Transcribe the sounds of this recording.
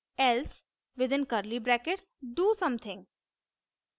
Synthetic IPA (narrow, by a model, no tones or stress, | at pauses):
ɛls | ʋɪd̪ɪ̃nkəɾlibɾɛkeʈsɖuːsʌ̃mt̪ʰɪ̃ŋɡ